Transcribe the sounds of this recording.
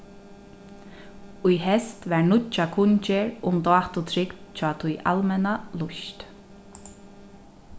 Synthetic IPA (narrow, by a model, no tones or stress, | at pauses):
ʊjɦɛst̪ʋɛɹnʊt͡ʃːakʰʊɲt͡ʃɪɹʊmt̪ɔːt̪ʊt̪ʰɾɪkt̪t͡ʃʰɔːt̪ʰʊjʔa̰lmɛnalʊʃt̪